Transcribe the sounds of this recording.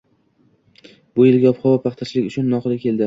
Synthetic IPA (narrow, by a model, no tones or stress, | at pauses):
bʊjɪlɡʲaɒpχɒvɒpʰɑχt̪ʰat͡ʃʰlɪkʲʊt͡ʃʰʊnːɒqɨlɪkʲʰe̞ld̪ɪ